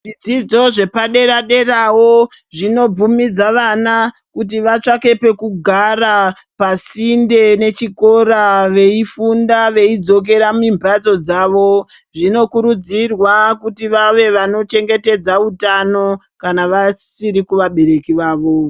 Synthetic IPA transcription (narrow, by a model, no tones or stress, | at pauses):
ʐid͡zid͡zo̞ʐe̞paɗe̞ɾaɗe̞rawo̞ | ʐino̞b͡vumid͡zaʋana | kut̬iʋat͡ʂake̞pe̞kuɡʱara | pasinde̞ne̞t͡ʃiko̞ɾaʋe̞ifundaʋe̞id͡zo̞k̬e̞ɾamimbʱat͡so̞d͡zaʋo̞ | ʐino̞kuɾud͡zirwakutiʋaʋe̞ʋano̞t͡ʃe̞ŋɡe̞te̞d͡zautano̞ | kanaʋasiɾikuʋaɓe̞ɾe̞kiʋaːʋo̞